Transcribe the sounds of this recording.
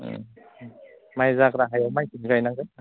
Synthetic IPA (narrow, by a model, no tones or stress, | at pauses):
majzakɾaɦajamajtinɡajnaŋɡɯ